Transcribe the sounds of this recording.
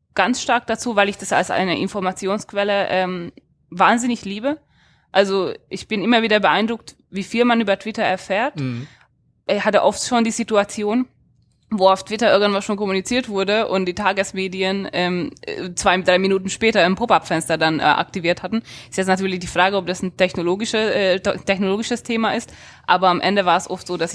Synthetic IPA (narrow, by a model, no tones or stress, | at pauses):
ɡ̥ansʃtaɐk̚d̥at͡suːvaɪlɪçd̥asa̰lsʔa̰ɪnəʔɪnfɔɐmat͡sjoːnskv̥ɛləʔɛːm | vaːnzɪnɪçliːbə | ʔalzoʔɪçb̥ɪnʔɪmɐviːdɐbəʔaɪndʁʊk̚t | viːfiːlmanʔyːbɐtv̥ɪtɐɛɐfɛːɐt | ʔɪhatəʔɔftʃoːndiːzituat͡sjoːn | voːaʊftv̥ɪtɐʔɪɐɡŋ̩tv̥anʃoːnkɔmunit͡siːɐtv̥ʊɐdəʔʊnt̚d̥iːtʰaːɡəsmeːdiənʔɛːmt͡sv̥aɪdʁaɪminuːtn̩ʃpɛːtɐɪmpʰopapfɛnstɐdanʔɛ̰ʔa̰k̚tiviːɐthatn̩ɪstjɛt͡snatyːɐlɪçd̥iːfʁ̥aːɡəɔp̚d̥asn̩tʰɛçnoloːɡɪʃəɛtʰɛçnoloːɡɪʃəstʰeːmaʔɪst | ʔaːbɐamʔɛndəvaːɐɛsʔɔftz̥oːdasɪ